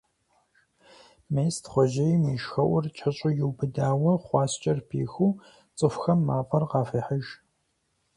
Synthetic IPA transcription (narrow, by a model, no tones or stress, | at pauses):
mejstχʷɔʒɐjmiːʃxɐʔʷʊrt͡ʃʼʰɐɕʼʊjɪwbɨdaːwɐχʷɑːst͡ʃʼɐrpʰḭːxuː | t͡sʼɨfxɐmːaːpʼɐrqɑːfɐːħəʒ